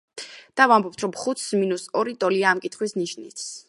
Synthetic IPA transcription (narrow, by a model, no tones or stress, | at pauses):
d̪̥avambɔp̚t̪ʰɾɔmχut̪sminusɔɾit̪ʼɔliaːmkʼit̪ʰχwisniʃnḭt̪s